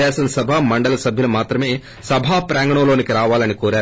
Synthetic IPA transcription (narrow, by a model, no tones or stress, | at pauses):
ɛːsɐnsɐbʱaːmɐɳɖɐlɐsɐbʱjɐlumaːt̪ɾɐme̞ː | sɐbʱaːpɾaːŋɡɐɳɐlo̞ːnikiɾaːʋaːlɐnikoːɾaː